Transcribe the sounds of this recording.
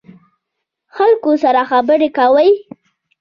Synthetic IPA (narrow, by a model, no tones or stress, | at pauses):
xalkosaɾaxabəɾekawəj